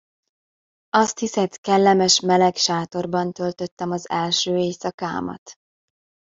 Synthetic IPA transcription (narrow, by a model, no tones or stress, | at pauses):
ɒst̪hisɛt̪kɛlːɛmɛʃmɛlɛkʃaːt̪o̞rbɒnt̪ø̞lt̪ø̞t̪ːɛmɒzɛlʃøːeːsɒka̰ːmɒ̰t̪